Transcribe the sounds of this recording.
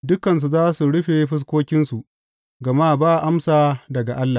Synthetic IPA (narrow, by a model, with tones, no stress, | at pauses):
dʊ˦kɐ˨ns̬u˨zaː˦su˨ɽʊ˦ɸe˨ɸɪ˦s̬kʷoː˦kʲɪ˦nsu˨ʔ | ɡɐ˨ma˦˨baː˦˨ʔa˦msaː˨dɐ˨ɡa˨ʔa˦lːa˨